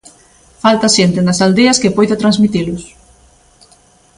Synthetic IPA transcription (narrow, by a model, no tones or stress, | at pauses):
falt̪ɐʃent̪ɪnɐsald̪eɐskepojðat̪ɾanzmit̪ilʊs